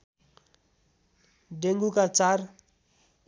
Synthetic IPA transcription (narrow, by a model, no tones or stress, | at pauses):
deŋɡukat͡sara